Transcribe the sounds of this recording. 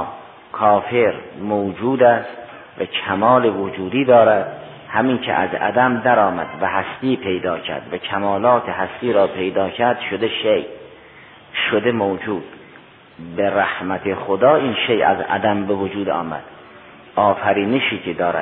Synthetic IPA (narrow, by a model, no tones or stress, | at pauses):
kʰɒːfeɾmowd͡ʒuːd̪æst̪ | vækʰæmɒːlevod͡ʒuːd̪iːd̪ɒːɾæd̪̥ | hæmiːnkʰḛʔæ̰zæ̰d̪æmd̪æɾɒːmæ̰d̪væhæst̪iːpʰe̞jd̪ɒːcʰæ̰ɾd̪vækʰæmɒːlɒːt̪ʰeɦæst̪iːɾɒːpʰe̞jd̪ɒːkʰæɾd̪ʃod̪eʃej | ʃod̪emowd͡ʒuːd̪̥ | beɾæhmæt̪ʰeχod̪ɒːʔiːnʃejæ̰zæ̰d̪æmbevod͡ʒuːd̪ɒ̰ːmæ̰d̪̥ | ɒːfæɾiːneʃiːkʰed̪ɒːɾæ̰̥